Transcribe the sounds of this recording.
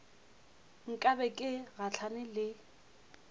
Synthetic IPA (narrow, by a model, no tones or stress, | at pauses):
ŋ̩kʼabɛkʼɪɣat͡ɬʰanɪlɪ